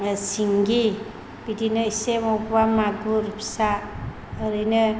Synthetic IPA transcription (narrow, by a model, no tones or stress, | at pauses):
siŋɡi | bidinɯisemɔpbamaɡuɾpʰi̥saː | ɾɯnɯ